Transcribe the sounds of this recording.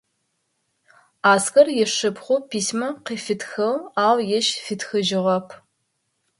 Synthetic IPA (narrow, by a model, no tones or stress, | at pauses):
aːskɐrjɛʂɨpχʷʊpʰiːsmɐqiːfɪtxɐwaːwjɛʃfɪtxɨʒɪʁɐpʰ